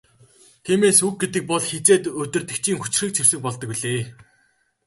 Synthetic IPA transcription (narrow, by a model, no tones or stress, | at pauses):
t̪ʰiːmeːsuk̚ɡet̪ɘ̆k̚pɔɮxet͡seːt̪ɵt̪ɵ̆rt̪ɘ̆kt͡ɕʰiːŋxu̥t͡ɕɪ̆rxiːk̚t͡ɕʰir̥sɘ̆k̚pɔɮt̪ɞ̆kwiɮeː